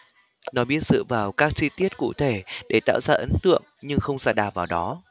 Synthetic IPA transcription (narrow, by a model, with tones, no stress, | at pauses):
nɔ˨˦ɓi˦˥ət̚zɨ̰˧˨vaː˨˩wkaː˦˥k̚t͡ɕi˧t̪i˦˥ət̚kṵ˧˨t̪ʰe˧˩ɗe˧˩t̪a̰ː˧˨wzaː˧ʔə˨˦nt̪ɨ̰˧˨əŋɲɨ˧ŋxə˧wŋ͡msɛ̰ː˧˥ɗaː˨˩wvaː˨˩wɗɔ˨˦